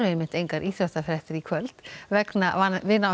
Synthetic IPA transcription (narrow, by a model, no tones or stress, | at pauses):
ɾemɪnt̪ejŋkaɾʔiːθɾœst̪aθɾɛht̪ɪɾikʰvœlt̪vɛknavanvɪna